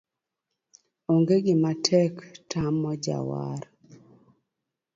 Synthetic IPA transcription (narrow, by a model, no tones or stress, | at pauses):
oŋɡeɡɪmatʰɛktʰamːɔd͡ʒa̰wa̰ɾ